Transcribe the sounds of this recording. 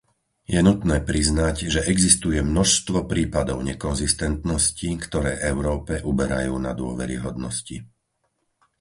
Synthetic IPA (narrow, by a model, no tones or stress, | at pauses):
jɛnut̪nɛːpɾiznaɟʒɛʔɛɡzist̪ujɛmnɔʃst̪ʋɔpɾiːpad̪ɔʊɲɛkɔnzist̪ɛnt̪nɔscikt̪ɔɾɛːʔɛʊɾɔːpɛʔubɛɾa̰juːnad̪ʊɔʋɛ̰ɾḭɦɔd̪nɔsci